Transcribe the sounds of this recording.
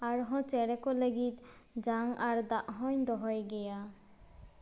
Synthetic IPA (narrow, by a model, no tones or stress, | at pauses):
aɾɦɔ̃t͡ɕɛɾekoleɡit̪d͡ʒaŋaɾd̪aʔɦɔjnd̪ɔɦɔjɡɛja